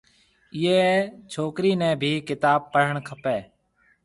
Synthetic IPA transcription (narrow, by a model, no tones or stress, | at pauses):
ɪjeːt͡ʃʰoːkɾiːnɛ̃ːbʱiːkɪt̪aːb̚pəɾ̤əɳkʰəpeː